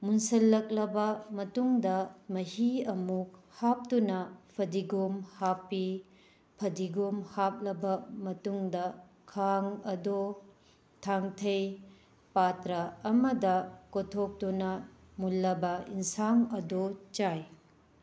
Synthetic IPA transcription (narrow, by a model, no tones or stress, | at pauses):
munsɐlːɐk̚lɐbɐmɐtuŋdɐmɐhiɐmuk̚hap̚tunɐpʰɐdiɡumhapːi | pʰɐdiɡumhap̚lɐbɐmɐtuŋdɐ | kʰaŋɐdo | tʰaŋtʰɐj | patɾɐɐmɐdɐkotʰok̚tunɐ | mulːɐbɐinsaŋɐdot͡ʃaj